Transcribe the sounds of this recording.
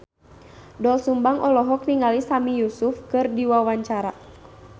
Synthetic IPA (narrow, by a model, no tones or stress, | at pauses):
dɔlsumbaŋʔɔlɔɦɔk̚niŋalisamijusufkɨrdiwawaɲt͡ʃaɾa